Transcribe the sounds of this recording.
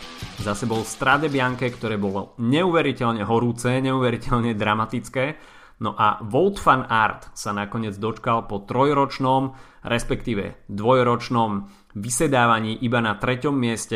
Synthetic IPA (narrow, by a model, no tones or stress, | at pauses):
zasɛbɔlst̪ɾad̪ɛbɪaŋkɛkt̪ɔɾɛːbɔlɔɲɛuːʋɛɾicɛʎɲɛɦɔɾuːt͡sɛɲɛuːʋɛɾicɛʎɲɛd̪ɾamat̪it͡skɛː | nɔʔa̰ʋɔlˠt̪fanaɾt̪sanakɔɲɪɛd͡zd̪ɔt͡ʃkalpɔt̪ɾɔjɾɔt͡ʃnɔm | ɾɛspɛkt̪iːʋɛ̰d̪ʋɔjɾɔt͡ʃnɔm | ʋisɛd̪aːʋaɲiːʔibanat̪ɾɛcɔmːɪɛscɛ